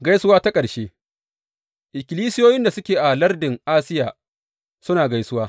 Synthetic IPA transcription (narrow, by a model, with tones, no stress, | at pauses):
ɡa˦jsʊ˦waː˦ta˦kʼɐ˨ɽʃeː˦ | ʔɪ˨kʲɪ˨liː˦sɪ˦joː˦jɪ˦nda˨sʊ˦kʲeː˨ʔa˨lɐ˦rdɪ˨ŋʔaː˦sɪ˦jaː˨ | sʊ˦naː˨ɡa˦jsʊ˦waː˦